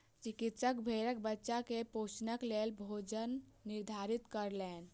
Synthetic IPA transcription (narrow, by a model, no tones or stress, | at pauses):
t͡ʃikit̪səkbʱeɾək̚bətːʃakeposnəklelbʱod͡ʒənːiɾd̪ʱaɾit̪kəɾlen